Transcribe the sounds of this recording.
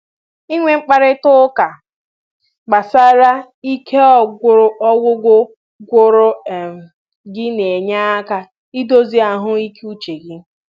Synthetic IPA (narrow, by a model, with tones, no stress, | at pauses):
i˦ŋʷe˦ŋ͡m̩˦k͡pa˦ɾɪ˦tʊ˦ka˨ | ɡ͡ba˨sa˦ɾa˦ | i˦kʰe˦ɔ˦˨ɡʷʊ˦ɾʊ˦ʔɔ˦ɡʷʊ˦ɡʷʊ˦ | ɡʷʊ˦ɾʊ˦˨ | ɡɪ˦ne˨ɲa˦a˦ka˨ | i˦do˦zi˦a˨ɦʊ˦i˦ku˦t͡ʃe˨ɡɪ˦